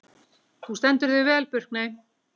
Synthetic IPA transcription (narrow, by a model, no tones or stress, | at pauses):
θust̪ɛnt̪ʏɾðʏvɛːlpʏr̥k̚nej